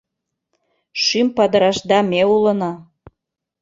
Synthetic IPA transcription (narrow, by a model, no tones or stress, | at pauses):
ʃympɑd̪əɾɑʃd̪ɑmeulənɑ